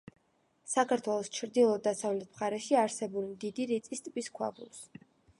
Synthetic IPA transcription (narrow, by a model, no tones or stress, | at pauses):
sakʰaɾt̪ʰwɛlˠɔst͡ʃʰɾd̪ilˠɔd̪ːasavlɛt̪̚ʰmχaɾɛʃiaɾsɛbulid̪id̪iɾit̪sʼist̪ʼbiskʰwa̰bṵlˠs